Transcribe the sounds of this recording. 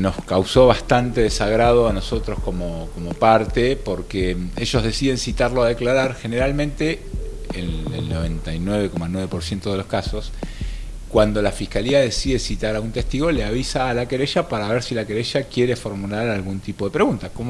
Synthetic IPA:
no̞skawso̞βast̪ant̪e̞ðesaɣɾað̞o̞ano̞so̞t̪ɾo̞sko̞mokomo̞paɾt̪epo̞ɾkeeʒo̞zð̞e̞siðe̞nsit̪aɾloaðe̞klaɾaɾxe̞ne̞ɾalmẽnt̪eelḛlnoβ̞ent̪ajnweβe̞komanweβe̞poɾsje̞nt̪o̞ð̞elo̞skaso̞s | kwand̪o̞lafihkaliaðe̞siðe̞sit̪aɾaɣunt̪ehst̪iɣo̞leaβ̞isaːlakeɾeʃapaɾaβeɾsilakeɾeʃakjeɾefo̞ɾmulaɾalɣunt̪ipo̞ðe̞pɾeɣunt̪akomo

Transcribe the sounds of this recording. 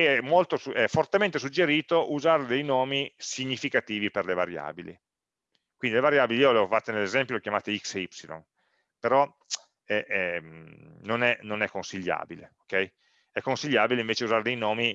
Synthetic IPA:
ɛmolt̪osuɛfːort̪ement̪esud͡ʒːeɾiːt̪oʔuzaːɾed̪ejnɔːmisiɲːifikat̪iːviperlevaɾja̰ːbilḭ | kwind̪ilevaɾjaːbiliiːolfat̪ːenelːezɛmpjolokjamaːt̪eiksipsilo̰n | peɾɔ | ɛɛ | nonɛnonɛkːonsiʎːa̰ːbilḛokɛj | ɛkːonsiʎːaːbileiɱveːt͡ʃeuzaɾed̪ejnɔːmi

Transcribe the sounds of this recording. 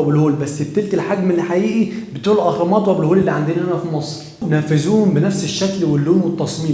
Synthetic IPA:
æbelhuːlbæsːebt̪elt̪elħaɡmelːiħaʔiːʔibɪt̪uːlelʔæxɑmɑːt̪wæbelhuːlelːiʕand̪iːnhænæfimɑsˤɾ | næːfɪzuːhombɪnæfseʃːæklwelːuːmwet̪ˤːɑsˤmiː

